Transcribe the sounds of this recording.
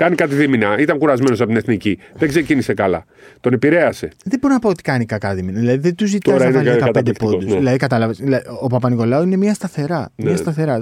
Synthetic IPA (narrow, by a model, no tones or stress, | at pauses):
kɐnikɐt̪iðiminɐit̪ɐŋkuɾɐzme̞nos̬ɐpot̪ineθniciðeɡsecinise̞kɐlɐ̰ | t̪o̞nepiɾe̞ɐse̞ðeboɾonɐpoot̪i̥kɐnikɐkɐðiminɐðilɐðiðet̪uzit̪oɾɐineɐɐkɐɐt̪ɐd̪epod̪usðilɐðikɐt̪ɐlɐvesðilɐopɐpɐsniko̞lɐoine̞mɲɐst̪ɐθe̞ɾɐnmɐst̪ɐθe̞ɾɐ